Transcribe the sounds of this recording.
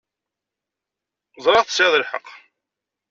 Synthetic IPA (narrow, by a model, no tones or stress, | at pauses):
zˤɾˤɑʁθə̥sæðˤəlħə̰qː